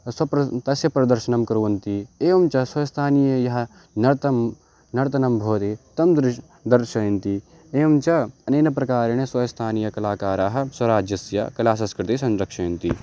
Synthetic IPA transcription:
swɐpɾɐt̪ɐsjɐpɾɐd̪ɐɾʃɐnɐmkɐɾuːɐnt̪ieːʋɐmt͡ʃɐswɐjɐst̪ʰaːnijɐjɐɦɐ̆ | nɐɾt̪ɐm | nɐɾt̪ɐnɐmbʱoːt̪et̪ɐmd̪ɾɪʃ | d̪ɐɾʃɐːjnt̪i | eːɐmt͡ʃɐɐneːnɐpɾɐkaːɾeñeswɐjɐst̪ʰaːnijɐkɐlaːkaːɾaːɦɐ̆swɐɾaːd͡ʒjɐsjɐ̰kɐlaːs̬ɐskɾɪt̪isɐ̃nɾɐkʂɐjnt̪i

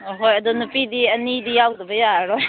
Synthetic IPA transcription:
ɦojɐdɔnupidiɐnidijawdɐbɐjaɾɔj

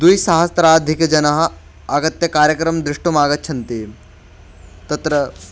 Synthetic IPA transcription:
d̪ujsaɦɐst̪ɾaːd̪ʱikd͡ʑɐnɐɦɐ | ɐɡɐt̪jɐkaːɾjɐkɾɐmd̪ɾuʂʈumaːɡɐt̪̚t͡ɕʰɐnt̪e | t̪ɐt̪ɾə

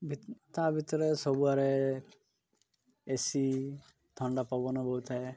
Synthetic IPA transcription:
bʱit̪abʱit̪ɔɾesɔbuaɾe | esi | t̪ʰɔɳɖapawbɔnabɔɦut̪ɦae

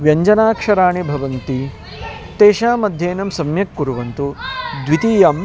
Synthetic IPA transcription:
ʋjɐɲd͡ʒɐnaːkʂɐɾaːɳibʱɐʋɐnt̪i | t̪eːʃaːmɐd̪ʱjeːnɐmsɐmjɐkːuɾuʋɐnt̪ud̪ʋit̪iːjɐm

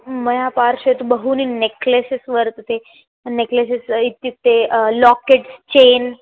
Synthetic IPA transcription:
məjapaɾɕet̪bəɦuːnineklesisʋəɾt̪t̪e | nekləsisit̪ːit̪ːelɔkeʈst͡ɕen

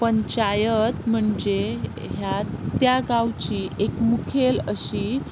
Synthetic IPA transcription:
pəɲt͡ɕajət̪m̤əɳd͡ʑe | ɦjat̪jaɡawt͡ɕiːʔekmukʰeləɕiː

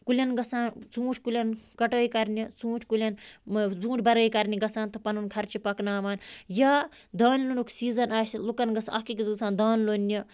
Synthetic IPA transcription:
kulʲɐnɡɐsaːnt͡sũːʈʰʲkulʲɐnkɐʈəːjkɐɾnʲit͡sũːʈʰʲkulʲɐnbũːʈʰʲbɐɾəːjkɐɾnʲiɡɐsaːnt̪ɨpɐnunkʰɐɾt͡ʃʰipɐknaːʋaːnjaː | d̪aːnlonukʰsiːzɐnaːsilukɐnɡɐsɐkikizɡɐsaːnd̪aːnlonʲːɐ

